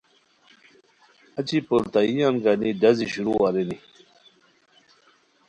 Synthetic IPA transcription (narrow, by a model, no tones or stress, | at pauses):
ɐt͡ɕipuɾt̪aijamɡanid̪ɐziɕuɾuwaɾeni